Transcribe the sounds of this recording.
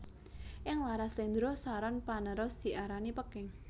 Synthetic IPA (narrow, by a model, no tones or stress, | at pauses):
ʔɪŋlaɾaslend̪ɾosaɾɔnpanəɾʊsd̪̥i̤ʔaɾanipəkɪŋ